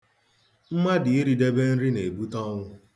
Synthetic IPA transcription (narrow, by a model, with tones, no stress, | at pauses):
m̩˦ma˦dɪ˨e˦ɾi˨de˦be˦n̩˦ɾɪ˦ne˨bu˦tɔ˦ŋʷʊ˦